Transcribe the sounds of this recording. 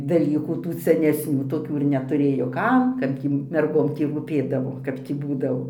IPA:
dɐˈlʲiːkuː ˈtuː sʲɛnʲɛsʲˈnʲuː toːˈkʲuː ɪr nʲɛtʊˈrʲeːjoː ˈkɐm ˈkɐt ɡʲiː mʲɛrˈɡoːm ˈtʲiː ruːˈpʲeːdɐʋoː ˈkɐp tʲiː ˈbuːdɐʋoː

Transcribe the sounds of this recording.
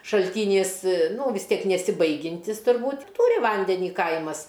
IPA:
ʃɐlʲˈtʲiːnʲiːs ˈnuː ʋʲɪs ˈtʲiɛk nʲɛsʲɪˈbɐɪɡʲɪnʲtʲɪs tʊrˈbuːtʲ ɪ ˈtuːrʲɪ ˈʋɐnʲdʲɛnʲiː ˈkɐɪmɐs

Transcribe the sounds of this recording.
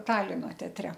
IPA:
ˈtɑːlʲɪnoː tʲɛɐˈtʲrʲɛ

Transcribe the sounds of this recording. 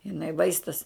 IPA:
jɪˈnɐɪ ˈʋɐɪstɐs

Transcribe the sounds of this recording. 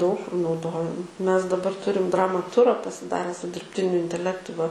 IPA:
dɐʊk nɐʊˈdoːjɛm ˈmʲɛs dɐˈbɐr ˈtʊrʲɪm ˈdrɑːmɐˈtʊrɐ pɐsʲɪˈdɑːrʲɛ sʊ dʲɪrʲpʲˈtʲɪnʲʊ ɪnʲtʲɛˈlʲæːktʊ ʋɐ

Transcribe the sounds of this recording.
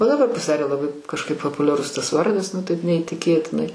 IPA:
oː dɐˈbɐr pɐsʲɪˈdɑːrʲeː lˠɐˈbɐɪ kɐʃˈkɐɪp pɐpʊlʲɛˈrʊs tɐs ˈʋɐrdɐs nʊ ˈtɐɪp nʲɛiːtʲɪˈkʲeːtʲɪnɐɪ

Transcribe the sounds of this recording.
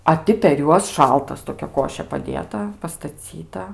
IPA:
ɐ ˈtʲɪ pʲɛr ˈjuɔs ˈʃɐlˠtɐs toːˈkʲɛ ˈkoːʃʲeː pɐˈdʲeːtɐ pɐstɐˈt͡sʲiːtɐ

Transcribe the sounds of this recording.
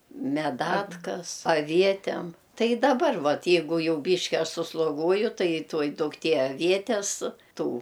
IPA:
mʲɛˈdɑːtkɐs ɐˈʋʲiɛtʲɛm ˈtɐɪ ɪ dɐˈbɐr ˈʋɐt ˈjɛɪɡʊ ˈjɛʊ ˈbʲiːʃʲkʲɪ ˈɐʃ sʊslˠoːˈɡuɔjʊ tɐɪ ˈtuɔj dʊkˈtʲiɛ ɐˈʋʲiɛtʲɛs ˈtuː

